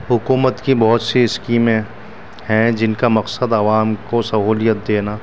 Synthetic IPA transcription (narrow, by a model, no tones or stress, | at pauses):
ɦʊkuːmət̪kibɔɦʊt̪siɪskiːmẽ | hɛ̃d͡ʒɪnkamɐqsəd̪ɐʋaːmkosɐɦuːlijət̪̚d̪eːnaː